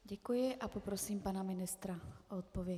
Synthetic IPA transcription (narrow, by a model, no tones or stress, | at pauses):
ɟɛkujɪʔapopɾosiːmpanamɪnɪst̪ɾaʔoot̪̚povjɛ